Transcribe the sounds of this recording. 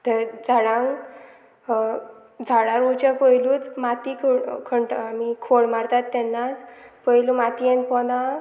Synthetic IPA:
t̪əɾd͡zʱaɽãŋ | d͡zʱaɭaɾut͡ɕapəjluːt͡smat̪ikʰokʰəɳʈamikʰoɽmaɾt̪at̪ːɛnːat͡spəjlumat̪iɛ̃npɔnã

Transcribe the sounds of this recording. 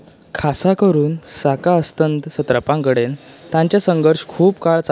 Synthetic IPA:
kʰasakəɾuːnsakaəst̪ənt̪sət̪ɾəpãŋkəɽen | t̪ãɲt͡ɕjasəŋɡʱəɾʂkʰuːpkaɭt͡s

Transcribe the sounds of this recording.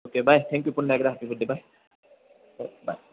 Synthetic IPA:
oːkebʱajt̪ʰɛ̃ŋkjupʊnːəɛkdaɦapiɡuɖ̪ːibʱaj | ba̰j

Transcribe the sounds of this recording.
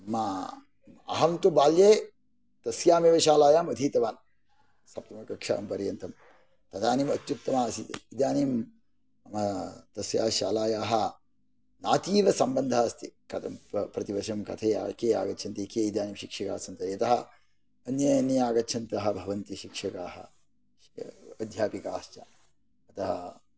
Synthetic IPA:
mɐ | ɐ̰ɦɐmt̪ubaːljeː | t̪ɐsjaːmeʋɐʃaːlaːjaːmɐd̪ʱiːt̪ɐʋaːn | sɐp̚t̪ɐmɐkɐkʂa̰ːmpɐɾjɐnt̪ɐm | t̪ɐt̪aːnimɐt̪jut̪ːɐmaːsit̪ḭid̪jaːnim | ɐmɐt̪ɐsja̰ːʃa̰ːlaːjaːɦɐ | naːt̪iːʋɐsɐmbɐnd̪ʱaːst̪ikɐt̪ɐmpɾɐt̪iʋɐʃɐmkɐt̪ʰɐja̰ːkeːa̰ːɡɐtːʃʰɐnt̪ikeːid̪jaːnimʃikʂɐka̰ːsʰɐnt̪ɐjɐt̪ɐɦɐ | ɐnjɐjɐnijaːɡɐtːt͡ʃʰɐnt̪ɐɦɐ̆bʱɐʋɐnt̪iʃikʂɐkaːɦɐ̰ | ɐd̪ʱjaːpikaːʃt͡ʃɐ̰ | ɐt̪ɐɦɐ

